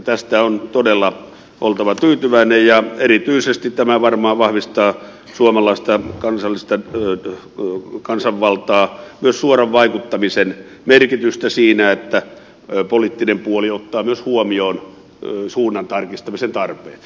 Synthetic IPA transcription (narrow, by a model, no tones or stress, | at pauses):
t̪æst̪æont̪odelːɑ | ʔolt̪ɑʋɑt̪yːt̪yʋæinejjɑerit̪yisest̪it̪t̪æmæʋɑrmɑːʋɑhʋist̪ɑː | suomɑlɑˑist̪ɑkɑnsɑlːist̪ɑ | kɑnsɑʋʋɑlt̪ɑːmyøssuorɑʋʋɑikut̪ːɑmisen | merkit̪yst̪æsiːnæet̪ːæ | polit̪ːinempuoliot̪ːɑːmyøshuomioːn | suːnːɑnt̪ɑrkist̪ɑmisent̪ɑrpḛːt̪s